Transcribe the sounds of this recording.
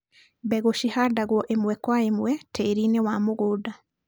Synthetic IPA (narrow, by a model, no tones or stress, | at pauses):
bɛɣoʃihadaɣwɔʔemwɛkwaemwɛtʰeɾinewamoɣoːda